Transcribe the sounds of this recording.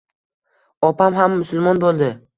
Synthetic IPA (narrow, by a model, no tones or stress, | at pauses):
ɒpamɦamːʊsʊlˠmɒnbolˠd̪ɪ